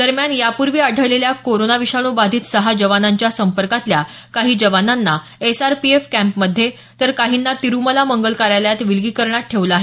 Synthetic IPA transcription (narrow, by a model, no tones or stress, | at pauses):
d̪̥əɾmjanjapuɾʋiːaɖʱəʋleljakoɾonaʋiʂaɽ̃ubad̪ʱiːt̪səɦad͡ʑəʋanaɲt͡ɕjasəmpəɾkat̪lja | kaɦiːd͡ʑəʋananːa | esaɾpiefkæ̃mpməd̪ʱːje | t̪əɾkaɦiːnːat̪iɾuməlaməŋɡəlkaɾjaljat̪ʋilɡiːkəɾɳjat̪̚ʈʰːeʋləaɦe